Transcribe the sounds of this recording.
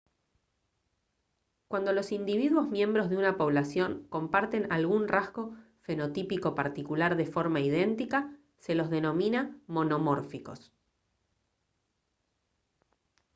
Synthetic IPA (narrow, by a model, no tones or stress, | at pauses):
kwand̪o̞lo̞sind̪iβ̞iðwo̞zmje̞mbɾo̞zð̞eunapo̞β̞lasjo̞ŋko̞mpaɾt̪e̞nalɣunrazɣo̞ | fe̞no̞t̪ipiko̞paɾt̪ikulaɾðe̞fo̞ɾmaið̞e̞nt̪ika | se̞lo̞zðe̞no̞mĩnamo̞no̞moɾfiko̞̰s